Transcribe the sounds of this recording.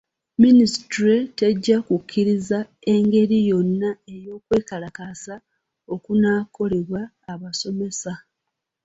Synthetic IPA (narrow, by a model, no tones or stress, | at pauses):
ministɾete̞ɟːakukʰːiɾiza | e̞ŋɡe̞ɾijo̞nːae̞jo̞ːkwe̞ːkalakasa | o̞kunaːko̞le̞βwaː | βaso̞me̞sa